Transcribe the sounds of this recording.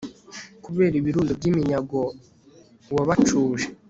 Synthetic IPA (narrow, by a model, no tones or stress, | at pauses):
kuβe̞ːɾiβiɾuːndobɟimiɲaɡo | waβat͡ʃuːʒe